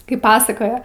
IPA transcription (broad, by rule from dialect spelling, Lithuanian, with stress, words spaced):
ˈkɐɪp ˈpɑːsɐkoːjɛ